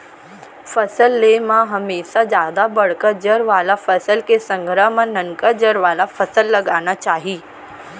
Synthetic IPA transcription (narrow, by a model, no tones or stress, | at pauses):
fəsəlːemãɦəmeːʃad͡zjaːd̪abəɽ̤kəd͡ʒəɾʋaːlafəsəlkesə̃ŋɡʱɾəmənəŋkəd͡ʒəɾʋaːlafəsəlːəɡañat͡ʃaːɦiː